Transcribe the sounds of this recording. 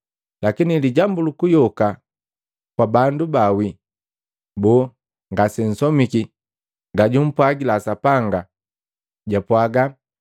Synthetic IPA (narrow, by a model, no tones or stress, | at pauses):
lakiniliɟambulukujɔka | kwabandubawi | bɔ | ŋɡasɛn̩sɔmiki | ŋɡaɟum̩pwaɡilasapaŋɡa | ɟapwaɡa